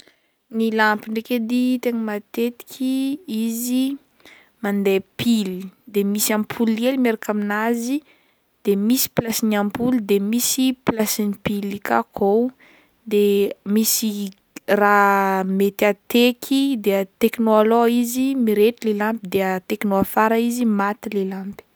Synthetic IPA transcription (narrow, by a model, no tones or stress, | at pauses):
nilampiɳɖ͡ʐeked̪it̪eŋəmat̪et̪i̥kʲʰiizi | mand̪epʰilid̪emisiampʰulielimeɾakaminazi | d̪̥emisi̥plasinampulid̪emisiplasinipilːikakʰow | d̪emisi | ramet̪at̪ekʰid̪eat̪eknoaloizimiɾetilelampid̪eat̪eknoafaɾaizimat̪ilelampi̥